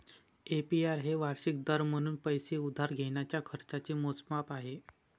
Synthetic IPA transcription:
epiaɾɦeʋaɾɕik̚d̪əɾm̤əɽ̃uːnpəjseud̪ʱaɾɡʱeɳ̃jat͡ɕjakʰəɾt͡sat͡ɕiːmot͡smapaɦe

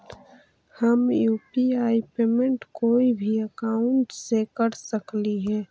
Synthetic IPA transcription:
həmjuːpiaːipeːmẽɳʈkoːibʱiəkaʊ̃ɳʈsekəɾsəkliɦɛː

